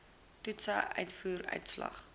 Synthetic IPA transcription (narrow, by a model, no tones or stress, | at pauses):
tutsəʔœɥtfuːɾœ̰ɥtslɐ̰χ